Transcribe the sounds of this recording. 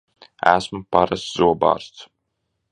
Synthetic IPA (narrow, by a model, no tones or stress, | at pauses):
æ̰smupaɾasz̥uɔba̰ːɾst̪s